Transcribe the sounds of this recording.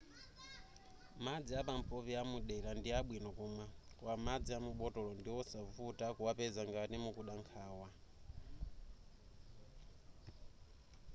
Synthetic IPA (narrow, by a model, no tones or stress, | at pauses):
mad͡ziapam̩pɔβiamuɗɛlandiaɓwinɔkuːmwakwamad͡ziamuɓɔtɔlɔndiwɔsavutakuwapɛzaŋɡatimukuɗaŋkʰaːwa